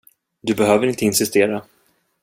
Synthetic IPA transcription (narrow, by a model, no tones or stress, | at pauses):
d̪ɵbɛɦøːvəɾɪnt̪əɪnsɪst̪eːɾa